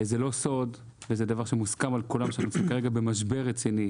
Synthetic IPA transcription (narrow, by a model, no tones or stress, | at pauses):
zelo̞so̞dvezed̪avaʁʃemuskamalkulamʃeaaχnunsimkaʁeɡabe̞maʃbe̞ʁet͡sini